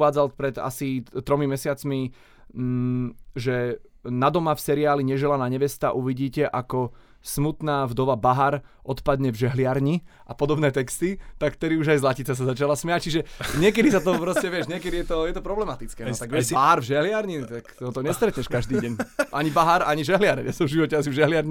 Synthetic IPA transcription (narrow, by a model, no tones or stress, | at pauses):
aːd͡zalpɾɛd̪a̰sit̪ːɾɔmimɛsɪat͡smi | ʒɛ | nad̪ɔmafsɛɾiaːliɲɛʒɛlanaɲɛʋɛst̪aʔuʋiɟiːcɛʔakɔ | smut̪naːvd̪ɔʋabaɦaɾʔɔt̪pad̪ɲɛvʒɛɦlɪaɾɲiʔapɔd̪ɔbnɛːt̪ɛkst̪it̪akft̪ɛd̪iuʒajzlacit͡sas̬azat͡ʃalasmɛact͡ʃiʒɛɲɪɛkɛd̪isat̪ɔpɾɔscɛʋɪɛʃɲɪɛkɛd̪ijɛt̪ɔjɛt̪ɔpɾɔblɛmat̪it͡skɛːt̪aɡʋɪɛbaɦaɾvʒɛɦlɪaɾɲinit̪ak̪ɔt̪ɔɲɛst̪ɾɛt̪ɲɛʃkaʒd̪iːɟɛɲʔaɲibaɦaɾaɲiʒɛɦlɪaɾɲɛsɔvʒiʋɔcɛasivʒɛɦlɪaɾɲi